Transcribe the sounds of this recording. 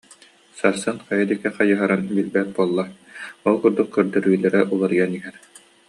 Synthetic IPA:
saɾsɯnχɑjad̪ikːɛχɑjɯɦaɾanbilbɛt̪̚buɔlˠːa | ɔlˠkuɾd̪ukːyɾd̪ɯɾylɛɾɛʔulˠaɾɯjaniɦɛn

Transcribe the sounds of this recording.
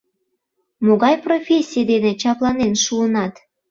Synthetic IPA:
moɣɑjprofʲesʲːijd̪enet͡ɕɑplɑnenʃuənɑt̪

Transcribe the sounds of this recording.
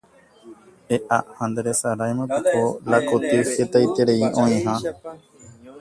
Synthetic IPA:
eʔaʔhãnd̪ɾesaɾajmãp̪eʔolakot̪ixet̪ajt̪eɾeiʔõĩɦã

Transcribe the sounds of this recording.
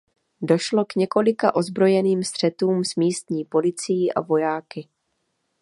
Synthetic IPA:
do̞ʃlo̞kɲɛko̞lɪka̰ʔo̞zbɾo̞jɛniːmst̪r̝̥ɛt̪uːmsmiːst̪ɲiːpo̞lɪt͡sijiːʔa̰vo̞jaːkɪ

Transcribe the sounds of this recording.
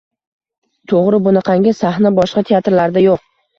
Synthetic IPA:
t̪ʰoʁɾɪbʊnɪqʰɑŋɡʲɪsahnabɒʃqɑt̪ʰeat̪ɾlaɾd̪ajoq̚

